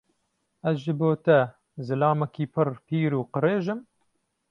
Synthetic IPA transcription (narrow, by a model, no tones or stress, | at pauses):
ɐzʒɨboːt̪ɐ | zɨlɑːmɛkiːpʰɨrpʰiːɾuːqɨreːʒɨm